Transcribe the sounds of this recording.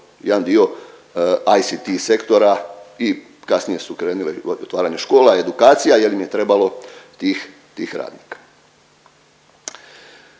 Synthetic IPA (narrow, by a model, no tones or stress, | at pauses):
jed̪and̪io̞ | ajsit̪ise̞kt̪o̞ɾai | kasnije̞sukɾe̞ːnuleot̪ʋaːɾaɲeʃko̞ːlae̞d̪ukaːt̪sijaje̞limije̞t̪ɾe̞balo̞t̪iːx | t̪iːxɾa̰ːd̪nikḁ